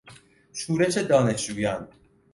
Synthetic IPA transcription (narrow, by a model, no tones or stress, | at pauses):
ʃuːɾe̞ʃed̪ɒːne̞ʃuːjɒn